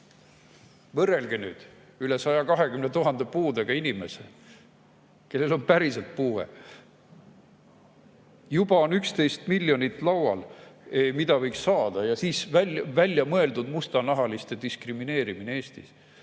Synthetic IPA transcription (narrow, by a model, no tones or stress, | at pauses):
vɤrːe̞lɡenyːd̪̥ | yle̞sɑjɑkɑɦe̞kymnet̪uɦɑnd̪̥e̞puːd̪eɡ̥ɑinime̞se | ke̞lːe̞lo̞npæɾiselt̪̚puːwḛ | jubɑonykst̪e̞jst̪miljo̞nit̪ːˑlɑwwɑ̰lemid̪ɑvɤjksːɑːd̪̥ɑjɑsiːsvævælʲːjɑmɤe̞ld̪ud̪must̪ɑnɑɦɑlist̪e̞d̪̥iskrimine̞ːɾimineeːst̪is